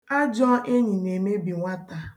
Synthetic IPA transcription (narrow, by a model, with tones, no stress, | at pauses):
a˦d͡ʒɔ˦ʔe˦ɲi˨ne˨me˦bi˨ŋʷa˦ta˨